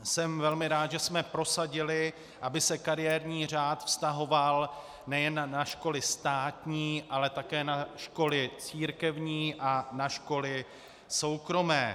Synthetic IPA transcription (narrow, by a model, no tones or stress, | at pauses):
sɛmvɛlmɪɾaːt̪ʒɛsmɛpɾo̞saɟɪlɪ | ʔabɪsɛkaɾɪjɛɾɲiːr̝aːt̪fst̪aɦo̞val | nɛjɛnːaʃko̞lɪst̪aːt̪ɲiːʔalɛt̪akɛːnaʃko̞lɪt͡siːɾkɛvɲiːʔanaʃko̞lɪ | so̞wkɾo̞mɛː